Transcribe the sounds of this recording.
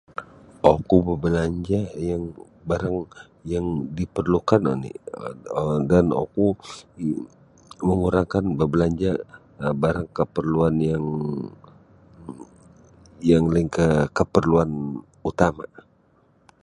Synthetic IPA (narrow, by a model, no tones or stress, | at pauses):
ʔokubəbəlaɲd͡ʒajaŋ | baɾaŋ | jaŋdipərlukano̰nḭ | dano̰ku | məŋuɾaŋkanbəbəlaɲd͡ʒa | baɾaŋkəpərluanjaŋ | jaŋlaiŋkəkəpərluan | ut̪ama